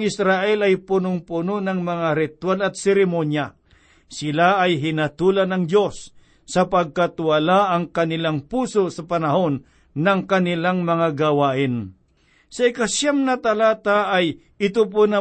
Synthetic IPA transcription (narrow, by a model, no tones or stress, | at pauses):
ɪsɾaʔɛlɐjpʊnʊŋpʊnonɐŋmɐŋaɾɪt̪walɐt̪̚sɛɾɪmonja | sɪlaːjɦɪnɐt̪uːlɐnɐŋd̪jo̞sː | ɐpɐɡ̚kat̪wɐlaʔɐŋkɐnɪlaŋpuːsosɐpɐnɐho̞nː | ɐŋkɐnɪlaŋmɐŋaɡɐwaːʔɪn | sɐɪkaʃjamnɐt̪ɐlaːt̪aʔːj | ɪt̪ʊp̬ʊna